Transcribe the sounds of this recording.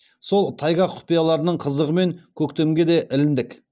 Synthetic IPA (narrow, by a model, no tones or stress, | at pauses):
so̞lˠt̪ʰɑjʁɑqʰʊ̥pijɑlˠɑɾənəɴqʰəzəʁəme̞ŋkʲʰɵkt̪emɡʲe̞d̪e̞ʔɪlɪnd̪ɪk